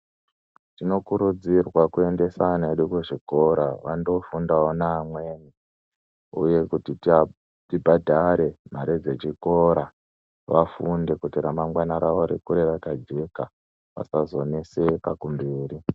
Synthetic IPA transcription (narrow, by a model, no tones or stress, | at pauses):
tino̞kuɾud͡zirwakue̞nde̞sanaeɗukuʐiko̞ɾaʋandofundaonaːmwe̞ːni | ṵje̞kutiti | tibʱadʱaɾe̞m̤aɾed͡ze̞t͡ʃiko̞ɾa | ʋafunde̞kutiɾamaŋɡwanaɾaʋoɾikuɾe̞ʋakad͡ʒe̞ka | ʋa̰sazo̞nese̞pakumbiːɾi